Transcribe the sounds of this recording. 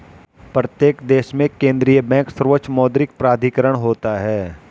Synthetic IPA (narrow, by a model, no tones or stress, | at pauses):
pɾət̪jeːkd̪eːʃmẽkẽːnd̪ɾijəbɛ̃ːksəɾʋət͡ʃmɔːd̪ɾɪk̚pɾaːd̪ʱikəɾəɽ̃ɦoːt̪aɦɛː